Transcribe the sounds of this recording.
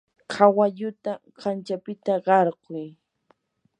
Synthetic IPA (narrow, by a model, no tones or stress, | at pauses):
kʰawaʎʊt̪aɢant͡ʃapɪt̪aɢɑɾɢʊj